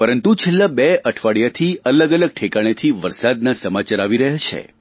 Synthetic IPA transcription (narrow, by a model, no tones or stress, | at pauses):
pəɾənt̪ut͡ʃʰelːabeəʈʰʋaɭjat̪ʰiələɡələɡ̚ʈʰekaɽ̃et̪ʰiʋəɾsad̪nasəmat͡ʃaɾaʋiɾəɦjat͡ʃʰḛ